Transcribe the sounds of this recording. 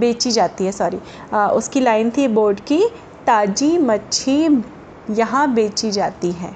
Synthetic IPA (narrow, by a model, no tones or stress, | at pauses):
beːt͡ʃid͡ʒaːt̪iɦɛsɔːɾi | ʊskilaːɪnt̪ʰiboːɾɖki | t̪aːd͡ʒimɐtːʃʰi | jɐɦãbeːt͡ʃid͡ʒaːt̪iɦɛ̰̃ː